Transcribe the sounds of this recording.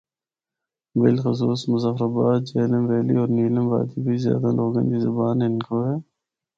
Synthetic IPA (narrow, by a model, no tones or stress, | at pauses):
bɪlxʊs̬uːsmʊzafɾaːbaːd̪̚d͡ʒeːləmʋeːlḭːɔːɾniːləmba̰ːd̪ibʱiːzja̰ːd̪aloːɡḛ̃nɡ̪izəbaːnɪnkoɦɛː